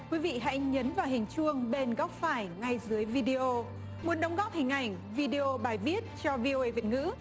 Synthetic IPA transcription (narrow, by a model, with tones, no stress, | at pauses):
kwi˨˦vḭ˧˨ɦa̰˧˥jɲə˨˦nvaː˨˩wɦï˨˩ŋ̟t͡ɕu˧əŋɓe˧nɣɔ˦˥k͡p̚faː˧˩jŋa˧jzɨ˨˦əjvi˧ɗe˧ʔo˧ | mu˨˦ənɗə˨˦ŋ͡mɣɔ˦˥p̚hï˨˩ŋ̟ʔa˧˩jŋ̟vi˧ɗe˧ʔo˧ɓaː˨˩jvi˦˥ət̚t͡ɕɔ˧vi˧ʔo˧ʔe˧jvi˨˩t̚ŋɨ̰˧˥